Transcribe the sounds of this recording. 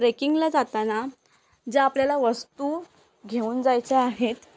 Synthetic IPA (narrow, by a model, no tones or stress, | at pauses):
ɾekiŋɡlad͡zat̪ana | d͡ʑeapljalaʋəst̪u | ɡʱeuːnd͡zajt͡seaɦet̪